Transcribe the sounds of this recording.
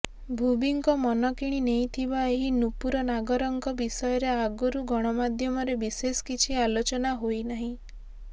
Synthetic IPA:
bʱubiŋkɔmɔnɔkiɽ̃inejt̪ʰibaeɦinupuɾɔnaɡɔɾɔŋkɔbisɔjɔɾeaɡɔɾuɡɔɽ̃ɔmad̪ʱjɔmɔɾebisesɔ̥kit͡ʃʰialot͡ʃɔnaɦojnaɦĩ

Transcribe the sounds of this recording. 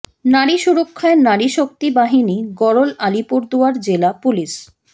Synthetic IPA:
naɾiʃuɾokʰːaeɾnaɾiʃok̚t̪ibaɦiniɡɔɾolalipuɾd̪uaɾd͡ʑelapuliʃ

